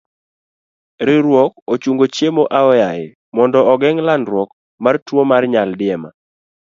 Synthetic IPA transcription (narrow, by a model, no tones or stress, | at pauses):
ɾɪɾwɔk̚ot͡ʃuŋɡot͡ʃjemoʔaɔjajɪ | mɔndɔɔɡɛŋlanɾwɔk | martwomarɲaldɪɛma̰